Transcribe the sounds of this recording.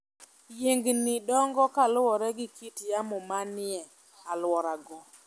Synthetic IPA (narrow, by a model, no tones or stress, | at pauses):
jeŋɡnidɔŋɡɔkalwɔɾɛɡɪkitjamɔmanɪɛ | alwɔɾaɡɔ